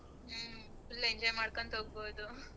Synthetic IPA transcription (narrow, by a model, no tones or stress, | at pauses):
ilːɐeɲd͡ʒɔːjmaːɽkont̪oːɡ̚boːd̪u